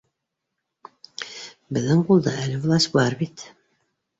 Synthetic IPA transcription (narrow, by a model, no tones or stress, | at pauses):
bɘ̆ðɘŋqulˠd̪ɑælɘvlˠɑsʲt̪bɑɾbit̪